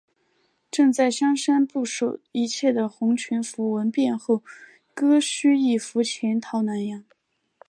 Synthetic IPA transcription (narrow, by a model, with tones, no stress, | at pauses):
ʈ͡ʂɤ˥˧ŋt͡sa˥˩ɪɕjɑ˥ŋʂa˥npu˥˩ʂo˨˩ʊi˧˥t͡ɕʰjɛ˥˩d̪ə˩xʊ˧˥ŋt͡ɕʰy˧˥nfu˧˥wə˧˥npjɛ˥˧nxo˥˩ʊ | kɤ˥ɕy˥i˥˩fu˧˥t͡ɕʰjɛ˧˥nt̪ʰɑ˧˥ʊna˧˥njɑ˧˥ŋ